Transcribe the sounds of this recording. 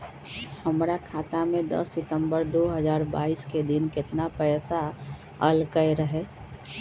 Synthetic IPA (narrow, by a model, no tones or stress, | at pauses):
həmɾakʰaːt̪amẽd̪ə̰sːɪt̪ə̃mbəɾd̪oːɦəzaːɾba̰ːisked̪ɪnkɪt̪napɛːsa | əlkəjɾəɦe